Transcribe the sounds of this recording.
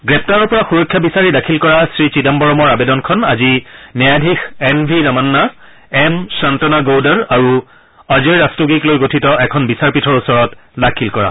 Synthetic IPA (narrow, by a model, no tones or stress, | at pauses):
ɡɹɛp̚taɹɔɹpɔɹaxuɹɔkʰːjabisaɹidakʰilkɔɹasɹit͡ʃidambɔɹɔmɔɹabedɔnkʰɔnazinɛjadʱixɛnbʱinamanːa | ɛmsantɔnaɡowdɔɹaɹu | azijɹastoɡiklojɡotʰitɔʔɛkʰɔnbisaɹpitʰɔɹusɔɹɔtdakʰilkɔɹa̰